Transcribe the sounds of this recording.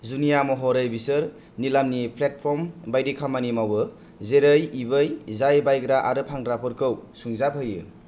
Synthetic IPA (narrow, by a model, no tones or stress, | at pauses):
zunijamɔɦɔɾɯjbisɯɾ | nilamnipʰlet̚pʰɾɔmbajdikʰamanimawɯ | zeɾɯjibɯjzajbajɡɾaʔaɾɯpʰaŋɾapʰɯɾkɯwsuŋzapʰɯjɯ̰